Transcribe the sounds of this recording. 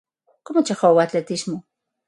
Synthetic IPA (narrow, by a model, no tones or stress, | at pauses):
komot͡ʃaχowat͡ɬet̪iʃmo